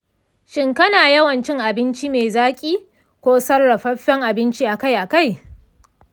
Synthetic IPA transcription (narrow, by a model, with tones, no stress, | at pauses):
ʃɪ˦ŋkɐ˦naː˨jɐ˦wɐ˨nt͡ʃɪ˦ŋʔa˨bɪ˦nt͡ʃi˦meː˨zaː˦kʲʼiː˦ | kʷoː˦sɐ˦rːɐ˨ɸɐ˦ɸːɛ˦ŋʔa˨bɪ˦nt͡ʃiː˦ʔa˨ka˦jʔa˨ka˦j